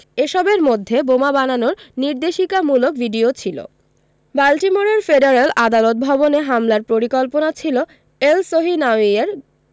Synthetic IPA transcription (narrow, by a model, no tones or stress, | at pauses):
eʃɔbeɾmod̪ʱːebomabananoɾniɾd̪eʃikamulokbʱiɖiot͡ɕʰilo̰ | balʈimoɾeɾfeɖeɾalad̪alot̪̚bʱɔboneɦamlaɾpɾoɾikɔlponat͡ɕʰilo | elsoɦinaieɾ